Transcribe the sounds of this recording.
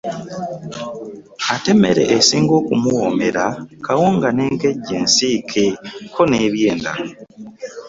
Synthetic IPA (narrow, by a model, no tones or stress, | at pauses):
ate̞me̞̰ɾe̞̰ʔesiːŋɡo̞ːkumuwome̞ɾakawoːŋɡaneːŋke̞ɟːeːnsiːkʰekʰo̞neβjeːnda̰